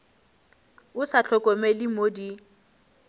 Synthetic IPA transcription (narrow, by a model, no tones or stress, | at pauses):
ʊsat͡ɬʰɔkʼɔmelɪmodi